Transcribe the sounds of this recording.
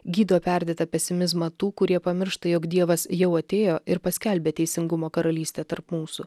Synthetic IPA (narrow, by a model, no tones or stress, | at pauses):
ɡʲiːd̪oːpʲæˑɾʲd̪ʲeːt̪ɐpʲɛsʲɪmʲɪzmɐt̪uːkʊɾʲiɛpɐmʲɪɾʃt̪ɐjoːkd̪ʲiɛʋɐsjɛʊɐt̪ʲeːjoːʔɪɾpɐsʲkʲɛlʲbʲeːt̪ʲɛɪsʲɪŋɡʊmoːkɐɾɐlʲiːsʲt̪ʲeːt̪ɐɾpmuːsʊ